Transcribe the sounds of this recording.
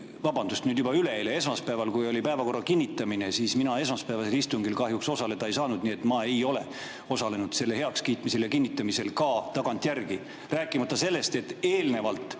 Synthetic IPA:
vɑbɑnd̪̥ust̪nyːd̪jubɑyle̞lee̞s̬mɑspæevɑlkujo̞lʲipæevɑko̞rːɑkinʲːit̪ːˑɑmine̞siːsminɑe̞smɑspæːvɑse̞list̪uŋɡilkɑɦjukso̞sɑle̞d̪̥ɑejsɑːnud̪̥nie̞t̪ːˑmɑe̞jo̞le̞̰ | o̞sɑle̞nud̪̥se̞lːehe̞ɑkskiːt̪ˑmise̞ljɑkinːit̪ːˑɑmise̞lkɑt̪ɑɡ̥ɑnt̪ˑjærɡi | ræːkːˑimɑt̪ˑːɑse̞lːe̞st̪e̞t̪ːe̞ːlne̞vɑlt̪ˑ

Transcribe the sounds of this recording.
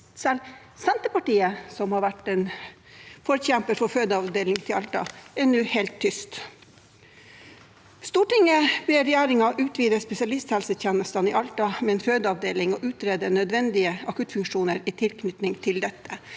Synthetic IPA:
sɛl | sɛnt̪əpɑʈiːəsɔmhɑɾʋæʈːɛn | fɔɾçɛmpəɾfɔføːd̪əɑʋd̪eːlɪŋt̪ʰɪlɑlt̪ɑ̰ɛɳʉːheːlt̪ʰːʏst̪ | st̪uːʈɪŋəbɛːɾɛjæːɾɪŋɑʔʉːt̪ʰʋiːd̪əspɛsɪɑlɪst̪hɛlsət̪ʰjɛnəst̪ɑniʔɑlt̪ɑmɛɛːnføːd̪əɑʋd̪eːlɪŋɔʔʉːt̪ɾeːd̪ənœd̪ʋɛnd̪ɪəɑkʉt̪fʉŋkʂuːnəɾit̪ʰɪlknʏt̪nɪŋt̪ʰɪld̪ɛt̪ʰːə

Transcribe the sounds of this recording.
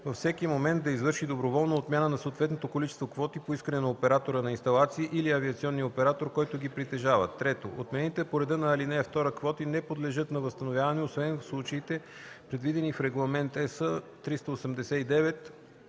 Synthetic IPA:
vəfsɛkimomɛnd̪d̪ɐizvɤɾʃid̪obɾovɔlˠnoot̪mʲjanənɐsot̪vɛt̪not̪okolit͡ʃɛ̥st̪vokvɔt̪ipoiskɐnɛnɐopɛɾat̪oɾənɐinst̪ɐlˠat̪siːʔiliɐviɐt̪siɔnːiopɛɾat̪oɾkɔjt̪ʊɡʲipɾit̪ɛʒavət̪ːɾɛt̪oʔo̰t̪mɛɛnit̪ɛpoɾɛd̪ənɐːlinɛft̪ɔɾəkvɔt̪inɛpod̪lɛʒɤt̪nɐvəst̪ɐnovjavɐnɛosvɛnfslˠut͡ʃəit̪ɛ | pɾɛd̪vid̪ɛnifɾɛɡlˠɐmɛnt̪ɛsət̪ɾist̪ɐosɛmd̪ɛsɛid̪ɛvɛt̪

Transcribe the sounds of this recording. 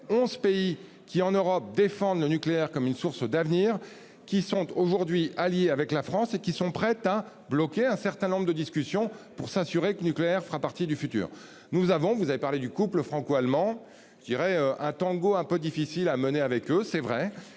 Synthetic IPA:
ɔ̃zpei | kʲiɑ̃nøʁɔp̚d̪efɑ̃d̪lənykleɛʁkɔmynsuʁsd̪avniːʁ | kʲisɔ̃t̪oʒuʁd̪ɥialjeavɛklafχɑ̃sekʲisɔ̃pχɛt̪a | blɔkʲeɛ̃sɛʁt̪ɛ̃nɔ̃bʁd̪əd̪iskʲysjɔ̃puʁsasyʁeklənykleɛʁfəʁapaʁt̪id̪yfyt̪y̰ːʁ | nuzavɔ̃vuzavepaʁled̪ykupləfχɑ̃koalmɑ̃ | ʒəd̪iʁɛøʔɛ̃t̪ɑ̃ɡoɛ̃pød̪ifisilaməneavɛkøsɛvʁɛ

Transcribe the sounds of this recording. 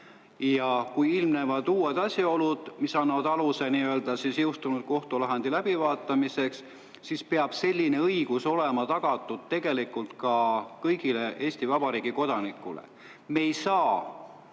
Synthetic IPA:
jɑkujilmne̞vɑd̪uːed̪̥ɑsjɑo̞lud̪̥misɑnːɑvɑd̪ɑluse̞niøld̪̥ɑsisjewst̪unud̪̥̚ko̞ht̪ulɑɦend̪̥ilæb̥ivɑːt̪ːˑɑmise̞ks | sispe̞ɑb̥se̞lʲːine̞ɤjɡ̥uso̞le̞mɑt̪ɑɡ̥ɑt̪ːˑud̪̥̚t̪e̞ɡ̥e̞likˑult̪kɑkɤjɡ̥ile̞ʔe̞ːsʲt̪ivɑbɑɾiːɡ̥iko̞d̪̥ɑnikːˑulḛ | mejsɑː

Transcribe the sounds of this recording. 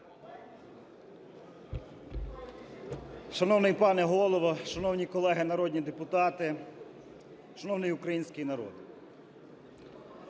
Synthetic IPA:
ʃɐnɔwnɪjpɑnɛɦɔlˠɔʋɐʃɐnɔwnʲikɔlˠɛɦɪnɐɾɔdʲnʲid̪epʊt̪ɑt̪ɪ | ʃɐnɔwnɪjukɾɐjinʲsʲkɪjinɐɾɔ̰d̪ɪ

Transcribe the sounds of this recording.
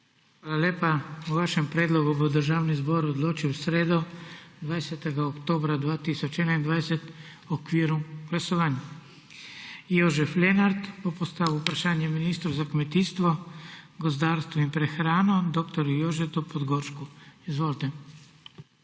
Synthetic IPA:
xʋaːlaljeːpauʋaːʃɛmpɾeːd̪lɔɡubɔwd̪əɾʒaːwnizbɔɾɔd̪loːt͡ʃiwsɾeːd̪ɔ | d̪ʋajsɛt̪ɛɡaokt̪oːbɾad̪ʋaːt̪iːsɔt͡ʃɛːnaind̪ʋajsɛt̪ | ɔkʋiːɾuɡlasɔʋaːnja | joʒɛflɛnaɾt̪bɔpɔst̪aːʋiwpɾaʃaːnjɛminiːst̪ɾowzakmɛt̪iːst̪ʋɔɡɔzd̪aːɾst̪ʋɔimpɾɛxɾaːnɔd̪oːkt̪ɔɾjujoːʒɛt̪ɔpɔd̪ɡoɾʃkuizʋoːʒt̪ɛ

